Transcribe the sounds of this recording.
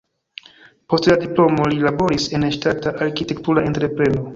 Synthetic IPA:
po̞stladiplo̞mo̞lilabo̞ɾise̞nʃtataʔaɾkite̞ktuɾae̞ntɾe̞pɾe̞no̞

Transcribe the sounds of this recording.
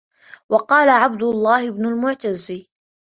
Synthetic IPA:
wɑqɑːlaʕab̚d̪ʊlˤːɑːhɪbnʊlmʊʕt̪azːɪ

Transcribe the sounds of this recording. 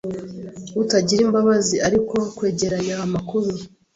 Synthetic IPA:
utaɟiɾiːmbaβaziaɾiko̞kwe̞ːɟe̞ɾajaːmakuɾu

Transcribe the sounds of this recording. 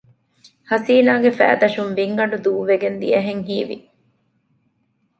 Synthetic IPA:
hɐsiːnaːɡefæ̰ːd̪ɐʃunʋiŋɡɐɳɖud̪uːʋeɡend̪iɐɦeŋɦiːʋḭ

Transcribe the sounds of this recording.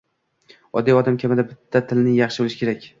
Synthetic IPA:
ɒ̰d̪iɒd̪amkʰʲamɪd̪abɪt̪ʰːat̪ʰɪlnɪjɑχʃɪbolɪʃɪ̥kʰʲe̞ɾakʲ

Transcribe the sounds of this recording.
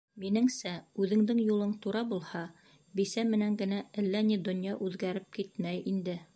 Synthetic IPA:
minɘŋsæʉðɘ̆ŋd̪ɘŋjulˠɤɴt̪uɾɑbulˠhɑ | bisæmɘ̆næŋɡɘ̆næɘlːænid̪ŏnjɑʔʉðɡæɾɘp̚kit̪mæjind̪ɘ

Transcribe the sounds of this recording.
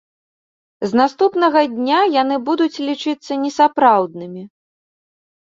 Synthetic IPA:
znast̪upnɐɣɐd̪ʲnʲajanɨbud̪ut͡sʲlʲit͡ʂɨt̪sːɐnʲɛsapɾawd̪nɨmʲi

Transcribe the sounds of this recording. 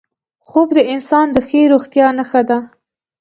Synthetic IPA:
xobd̪əɪnsɑnd̪əxeɾoxt̪jɑnaxad̪a

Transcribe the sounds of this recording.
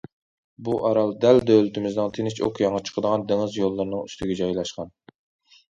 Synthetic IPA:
buʔɑɾɑlˠd̪ɛld̪ølyt̪ʰɪmɪznɪŋt̪ʰenɪt͡ʃʰo̰kʰjɑŋət͡ʃʰə̥qʰəd̪əʁɑnd̪eŋɨzjolˠːɨɾnɨŋyst̪ʰɪɡʲɛd͡ʒɑjlˠɑʃqɑn

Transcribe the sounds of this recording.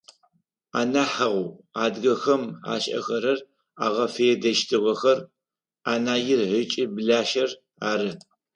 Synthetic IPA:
a̰ːnaːħɐʁʷʊaːdɡɐxɐma̰ːɕʼɐ̰xɐɾɐr | a̰ːʁɐfɐjɛdɐʃtʰɨʁɐxɐr | aːnaːjɪrʕət͡ʃʼɪbɨɮaːʃɐr | aːɾɨ

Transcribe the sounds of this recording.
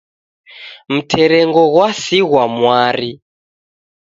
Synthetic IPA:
m̩tʰɛɾɛŋɡɔɣwasiɣwamwaɾi

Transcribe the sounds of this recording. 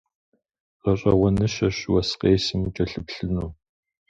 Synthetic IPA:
ɐɕʼɐwɐnɨʃɐɕwɐsqeːsɨmut͡ʃʼɐɬɨpɬɨnuː

